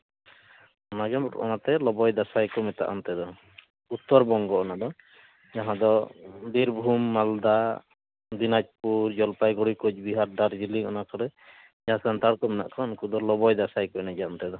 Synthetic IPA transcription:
ɔnaɡɛmɔ̰nat̪ɛlɔbɔjd̪asajkɔmɛt̪a̰ʔɔnt̪ɛd̪ɔ | ut̪ːɔɾbɔŋɡɔɔnad̪ɔ | d͡ʒaɦãd̪ɔd̪iɾbʱumːald̪a | d̪inad͡ʒ̚puɾd͡ʒɔlpajɡɔɽikod͡ʒbiɦaɾdaɾd͡ʒiliɔnakɔɾɛ | d͡ʒasant̪aɽkɔmɛna̰ʔkʰɔnkud̪ɔlɔbɔjd̪asajkɔɛnad͡ʒaɔnt̪ɛd̪ɔ

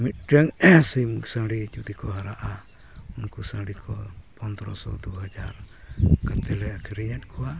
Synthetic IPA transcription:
mit̪̚ˀʈaŋsimuksaŋɽid͡ʒud̪ikɔɦaɾaʔa | unkusaŋɽikʰɔpɔnd̪ɾɔsɔ̰d̪uɦad͡ʒaɾkat̪ɛlɛkʰiɾiɲat̪̚ˀkʰɔwa

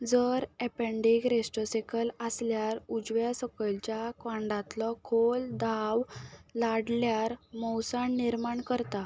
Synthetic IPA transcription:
d͡zəɾɛpeɳɖiɡɾesʈəsekʰələsljaɾud͡zʋjasəkəlt͡ɕjakʋãɳɖãt̪lɔkʰold̪ʱawlaɽljaɾmɔwsaɳːiɾmaɳkəɾt̪a

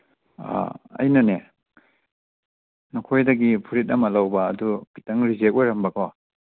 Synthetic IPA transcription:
a̰ɐ̰jnɐne | nukʰojdɐɡipʰuɾit̬̚ɐmɐlɐwbɐːdubitɐŋɾizek̚ojɾɐmbɐko

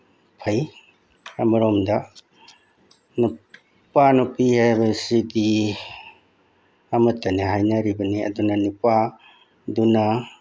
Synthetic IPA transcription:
pʰɐj | ɐmɐɾɔmdɐ | nu | panupihabɐsidi | ɐmɐtːɐniɦajnɐɾibɐniɐ̰dunɐnupa | dunɐ

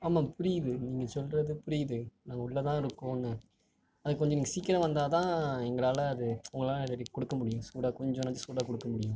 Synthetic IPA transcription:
aːmaːpʊɾɪjðɯniːŋɡɐsɔlɾɐðɯpʊɾɪjðɯnaːŋɡɐʊɭːɐt̪ãːɪɾɯkːõːnːɯ | ɐðɯkːɔɲd͡ʒɔniːŋɡɐsiːkːɪɾɐʋɐnd̪aːt̪ãːɛŋɡɐɭaːlɐːðɯʊŋɡɐɭaːlɾɾikːɔɽɯkːɐmʊɽɪjʊ̃suːɽaːkɔɲd͡ʒɔ̃nɐd͡ʒɯsuːɽaːkɔɽɯkːɐmʊɽɪjʊ̃

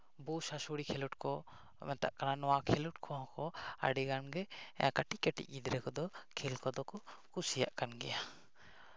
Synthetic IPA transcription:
busasuɽikʰɛluʈkɔ | mɛt̪a̰ʔkananɔwakʰɛluʈ̚kʰɔɦɔ̃kɔa̰ɖiɡanɡɛɛ̰akaʈikɛʈḭʔid̪ɾɛkɔd̪ɔkʰɛlkɔd̪ɔkɔkusija̰ʔkanɡɛ̰ja

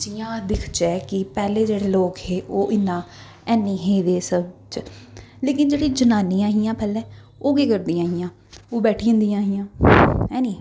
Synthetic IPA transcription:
d͡ʒiːãːd̪ɪkʰt͡ʃɛːkɪpɛːleːd͡ʒeːɽeːloːkɦeːʔoːʔɪnːãː | ɛːnːĩːɦeːd̪eːsəbt͡ʃleːkɪnd͡ʒeːɽiːd͡ʒənaːniːãːɦijãːpɛːlɛː | oːɡeːkəɾd̪iːãːɦiːãː | oːbɛːʈʰiːə̃nd̪iãːɦijãːɦɛːniː

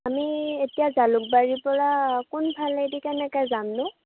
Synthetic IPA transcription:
amietijazalʊk̚baɹipɔɹakʊnbʱaledikɛnɛkajzamnʊ

